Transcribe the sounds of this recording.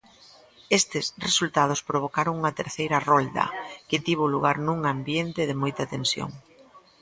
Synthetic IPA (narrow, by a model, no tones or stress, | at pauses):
est̪ɪsresult̪að̞ʊspɾoβ̞okaɾoŋuŋɐt̪eɾθejɾɐrold̪ɐ̰kɪt̪iβ̞oluɣaɾnũŋambjent̪ɪðɪmojt̪ɐt̪ensjo̰ŋ